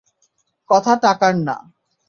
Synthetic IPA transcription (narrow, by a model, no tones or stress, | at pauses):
kɔt̪ʰaʈakaɾna̰